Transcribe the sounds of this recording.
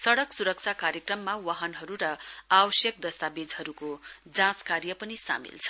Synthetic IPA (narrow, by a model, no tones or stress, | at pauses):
sʌɽʌksuɾʌk̚t͡sʰakaɾjekrʌmːawaɦʌnɦʌɾuɾʌawʌsjʌk̚d̪ʌst̪abed͡zhʌɾukod͡zãskarjʌpʌnisa̰mḭlt͡sʰʌ̥